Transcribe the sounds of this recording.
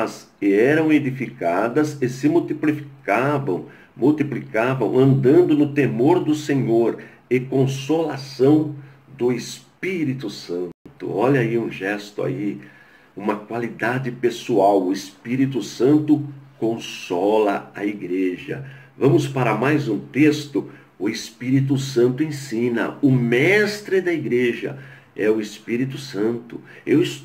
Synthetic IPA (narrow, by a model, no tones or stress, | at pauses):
ɐz | ɪɛɾɐ̃w̃ed̪ifikad̪ɐzɪsɪmuwt̪iplifikavɐ̰̃w̃ | muwt̪iplikavɐ̰̃w̃ɐ̃nd̪ɐ̃nd̪ʊnʊt̪emoɾd̪ʊsẽɲoɾ | ɪkõsolasɐ̃w̃ | d̪ʊɪspiɾit̪ʊsɐ̃t̪ʊ̰ɔʎɐiũʒɛst̪ʊa̰i | ũmɐkwalid̪ad͡ʒɪpesuawʊɪspiɾit̪ʊsɐ̃nt̪ʊkõsɔlɐɐiɡɾeʒɐ̰vɐ̃mʊspaɾɐmajzũt̪est̪ʊ | ʊɪspiɾit̪̬ʊsɐ̃nt̪ʊẽsĩnɐ̰ʊmɛst̪ɾɪd̪ɐiɡɾeʒɐ̰ | ɛʊɪspiɾit̪ʊsɐ̃nt̪ʊ | ewɪs